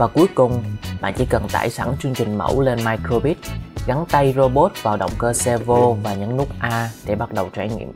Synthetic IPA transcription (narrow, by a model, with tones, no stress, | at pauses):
vaː˨˩ku˨˦əjkʊ˨˩ŋ͡mɓa̰ː˧˨nt͡ɕḭ˧˥˦kə˨˩nt̪a̰ː˧˩jsa˧˩nt͡ɕɨ˧əŋt͡ɕï˨˩ŋ̟mə̰˧˥wle˧nmaː˧jko˧ɓi˦˥t̚ɣa˨˦ŋt̪a˧jzo˧ɓo˦˥t̚vaː˨˩wɗə̰˧˨wŋ͡mkəː˧sɛ˧vo˧vaː˨˩ɲɨ̰˧˥ŋnu˦˥k͡p̚ʔaː˧ɗe˧˩ɓa˦˥t̚ɗə˨˩wt͡ɕwa˧˩ŋḭ˧˨əm